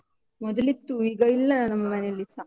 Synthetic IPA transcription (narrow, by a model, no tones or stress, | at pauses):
mɔd̪ɐlit̪ːuiɡɐilːɐnɐnɐmɐmɐnelːisɐ